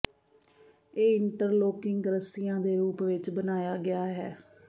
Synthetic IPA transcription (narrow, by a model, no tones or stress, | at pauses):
eːɪɳʈəɾloːkɪŋɡɾəsɪjãːd̪eːɾuːpʋɪt͡ʃbənaːjaːɡɪaːɦɛː